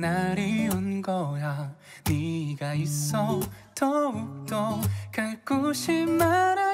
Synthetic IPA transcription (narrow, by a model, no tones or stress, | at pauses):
naɾiunɡʌja | niɡais͈ːʌtʌuk̚tʌkaɭk͈oɕʰimaɾa